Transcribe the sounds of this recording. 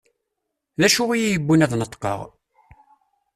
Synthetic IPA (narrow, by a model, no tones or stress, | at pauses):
ðæʃʊʁijijəbːunæðnət̪ːˤqə̰ʁ